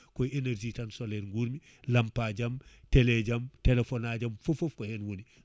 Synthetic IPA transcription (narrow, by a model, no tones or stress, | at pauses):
kɔjeneɾd͡ʒitansoleɾŋɡuɾmi | lampaɟamteleɟamtelefonaɟamfofofkɔhɛnwuni